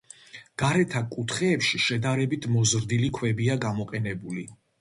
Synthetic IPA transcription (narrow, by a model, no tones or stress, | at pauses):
ɡ̥aɾɛt̪ʰakʼut̪ʰχɛːpʃiʃɛd̪aɾɛbit̪ʰmɔzɾd̪ilikʰwɛbiaɡamɔqʼɛnɛbuli